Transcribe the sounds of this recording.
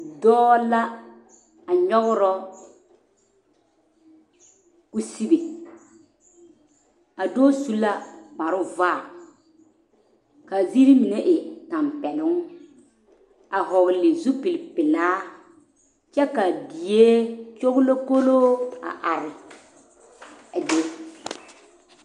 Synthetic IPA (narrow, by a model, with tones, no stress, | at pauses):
dɔː˦la˦ | a˨ɲɔ˦ɣʊ˦ɾɔ˦ | ku˦si˦be˨ | a˨dɔː˦su˦la˦k͡pa˨ɾʊ˦va˦˨ | ka˨zi˦ɾi˦mi˨ne˦ʔɪ˨ta˨mpɛ˨lʊ˦ŋ˦ | a˨ɦɔ˨blɪ˨zu˦pɪ˨lpɪ˨laː˦ | t͡ʃɛ˦ka˨di˨je˦t͡ʃo˦ɣʊ˦lo˦ko˦loː˦a̰˨ʔa˨ɾɪ˨ | a˨de˦